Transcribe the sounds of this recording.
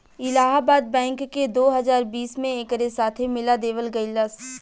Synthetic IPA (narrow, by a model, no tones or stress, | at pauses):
ɪlaːɦaːbaːd̪̚bɛ̃ːŋkːed̪oːɦɐzaːɾbiːsmẽeːkəɾesaːt̪ʰemɪlad̪eːʋəlɡɐɪlɐs